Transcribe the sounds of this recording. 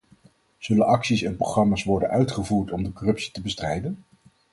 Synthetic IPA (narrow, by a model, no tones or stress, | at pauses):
z̥ɵlənɑksisɛnproχrɑmaːsʋɔɹdənʔœɥtχəvuːɹtɔmdəkɔrɵpsi̥təbəstrɛjdən